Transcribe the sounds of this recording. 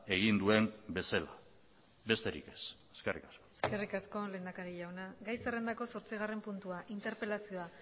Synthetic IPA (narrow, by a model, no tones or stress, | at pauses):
e̞ɣind̪ue̞mbe̞sala | be̞st̪e̞ɾḭke̞seskerikaskoeske̞rikasko̞le̞ːnd̪akaɾiʎawnaɡajsere̞nd̪ako̞so̞ɾt͡siɣare̞mpunt̪uaʔint̪e̞ɾpe̞lasio̞a